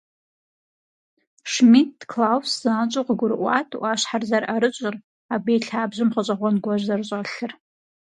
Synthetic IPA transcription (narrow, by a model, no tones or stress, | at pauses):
ʂmit̚dkʰlawszaːt͡ʃʷʼoqʼɡʷʊrʔʷa̰tʰʼwaʃħarzaraɾɨt͡ʃʷʼʊr | abejɬʰaːbʒʷɨmχat͡ʃʷʼaʁʷanɡʷaʒʷzart͡ʃʷʼaɬɨr